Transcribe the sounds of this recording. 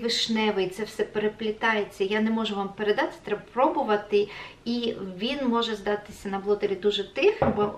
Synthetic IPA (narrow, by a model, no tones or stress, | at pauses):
ʋɪʃnɛʋɪit̪sɛwsɛpeɾeplʲɪt̪ɑjet͡sʲːɐjanɛmɔʒʊʋampeɾed̪ɑt̪ɪ̥t̪ɾɛbɐpɾɔbʊʋɐt̪ɪiʋʲinmɔʒɛzd̪ɑt̪ɪ̥sʲɐnɐblˠɔt̪eɾʲid̪uʒɛt̪ɪxbɔ